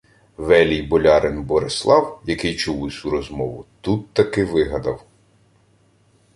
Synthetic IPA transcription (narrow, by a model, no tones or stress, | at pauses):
ʋɛlʲijbɔlʲɑɾɪnbɔɾeslˠɑwjɐkɪjt͡ʃuwɪsʲuɾɔzmɔʋʊt̪ut̪ːɐkɪʋɪɦɐd̪ɐw